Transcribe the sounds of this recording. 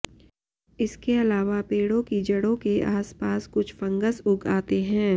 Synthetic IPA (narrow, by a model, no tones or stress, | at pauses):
ɪskeɐlaːʋapeːɽõkid͡ʒɐɽõkeʔaːspaːskʊt͡ʃʰfɐ̃ŋɡəsʊɡaːt̪eɦɛ̃ː